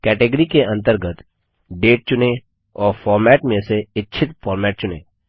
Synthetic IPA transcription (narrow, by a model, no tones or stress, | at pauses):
kɛːʈeɡəɾikeɐ̃nt̪əɾɡət̪ | ɖeːʈ̚t͡ʃʊne | ɔːɾfʰɔːɾmɛːʈmẽseɪtːt͡ʃʃʰɪt̪fʰɔːɾmɛːʈ̚t͡ʃʊnḛː